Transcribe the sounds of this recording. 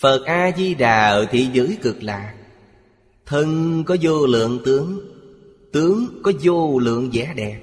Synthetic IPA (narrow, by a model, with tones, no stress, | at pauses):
fə˨˩t̚ʔaː˧zi˧ɗaː˨˩t̪ʰḭ˧˨zə̰ː˨˦jkɨ˨˩k̚la̰ː˨˩k̚ | t̪ʰə˧ŋkɔ˨˦zo˧lɨ̰˧˨əŋt̪ɨ˨˦əŋ | t̪ɨ˨˦əŋkɔ˨˦zo˧lɨ̰˧˨əŋzɛ̰˧˥ɗɛ˨˩p̚